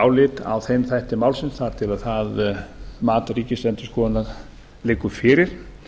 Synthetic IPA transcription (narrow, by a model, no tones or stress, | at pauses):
wlɪt̪a̰wθejmθɛht̪ɪmaːwlsɪnsθaɾ̥t̪ʰɪlaðθaðmaːt̪ɾiːcɪst̪ɛnt̪ʏ̥skɔːnaɾ | lɪːkʏfɪːɾɪɾ̥